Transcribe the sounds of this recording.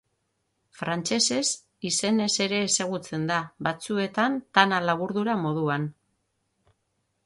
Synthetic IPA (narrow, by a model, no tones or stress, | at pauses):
fɾant͡ʃe̞se̞s | ise̞ne̞se̞ɾe̞ːse̞ɣ̞ut͡se̞nd̪aβat͡sue̞t̪ant̪analaβuɾðuɾamo̞ð̞uan